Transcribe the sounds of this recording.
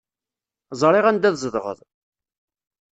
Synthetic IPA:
zˤɾˤeʁænd̪æðzˤəðʁə̰ðˤ

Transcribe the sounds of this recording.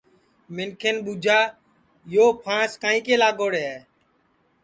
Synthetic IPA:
mɪnkʰeːnɓuːd͡ʒʱaː | joːpʰãːskaːĩːkeːlaːɡoːɽeː

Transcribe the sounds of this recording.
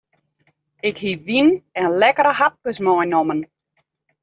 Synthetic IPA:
ɪkhiʋinɛnlɛkəɾəhat̚kəsmɔjnɔmən

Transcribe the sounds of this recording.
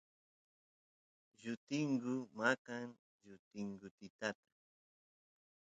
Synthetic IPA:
ʒʊt̪ɪŋɡʊmakaŋ | ʒʊt̪ɪŋɡʊt̪ɪt̪at̪ḁ

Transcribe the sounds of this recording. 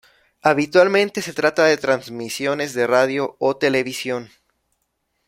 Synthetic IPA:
aβit̪walmẽ̞nt̪e̞se̞t̪ɾat̪aðe̞t̪ɾanzmisjo̞ne̞zðe̞raðjo̞ot̪e̞le̞βisjo̞n

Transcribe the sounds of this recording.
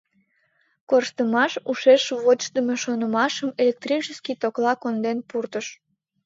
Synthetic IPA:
korʃt̪əmɑʃuʃeʃβot̪əmeʃonəmɑʃəmelʲek̚t̪rit͡ʃəskit̪oklɑkond̪enpurt̪əʃ

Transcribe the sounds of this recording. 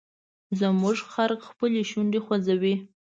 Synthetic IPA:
zəmuʐxaɾkxpəleʃuɳɖexwazawi

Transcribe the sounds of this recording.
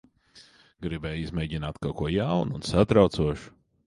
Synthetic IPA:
ɡɾibɛjizmʲɛːɟinaːt̪kawkuɔjawnunsat̪ɾawt̪suɔʃu̥

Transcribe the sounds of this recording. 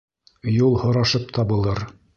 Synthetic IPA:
julˠhŏɾɑʃɤp̚t̪ʰɑbɤ̆lˠɤɾ

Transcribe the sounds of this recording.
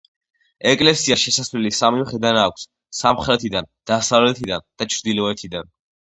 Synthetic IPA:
ɛkʼlɛsiaʃɛsasvlilisamimχɛd̪anakʷʰs | samχɾɛt̪ʰid̪and̪̥asavlɛt̪ʰid̪and̪̥at͡ʃʰɾd̪ilɔɛt̪ʰid̪an

